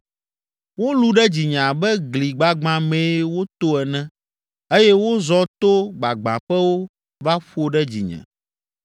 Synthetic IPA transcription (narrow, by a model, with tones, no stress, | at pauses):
wo˦lu˦ɖɛ˦d͡ʑi˨ɲã˨bɛ˦ɡli˨ɡ͡ba˦ɡ͡bã˨mẽ˨˦wo˦t̪o˦ɛ˨nɛ̃˦ | e˦jɛ˦wo˦zɔ˦t̪o˦ɡ͡ba˨ɡ͡bã̰˨ɸɛ˦wo˦ | va˦ɸo˦ɖɛ˦d͡ʑḭ˨ɲɛ̰̃˨